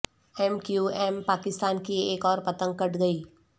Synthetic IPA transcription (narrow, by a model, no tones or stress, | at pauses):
ɛmkjuːɛːmpaːkɪst̪aːnkieːkɔːɾpɐt̪ə̃ŋɡ̚kɐʈɡɐiː